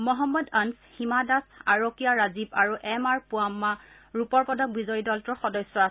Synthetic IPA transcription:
mɔɦɔmːɔdanshimadasaɹokijaɹazibaɹuʔɛmaɹpʊamːa | ɹupɔɹpɔdɔk̚bizɔjidɔltɔɹxɔdɔjsːɔa

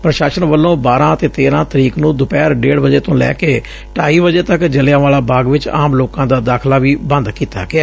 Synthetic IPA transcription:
pɾəʃaːʃənʋəlːõːbaːɾãːət̪eːt̪eːɾãːt̪əɾiːknũːd̪ʊpɛːɾɖeːɽʋəd͡ʒeːt̪õːlɛ̰ːkeː | ʈaːiːʋəd͡ʒeːt̪əkd͡ʒəlɪjãːʋaːlaːbaːɡʋɪt͡ʃa̰ːmloːkãːd̪aːd̪aːkʰlaːʋiːbə̃nd̪kiːt̪a̰ːɡɪɛː

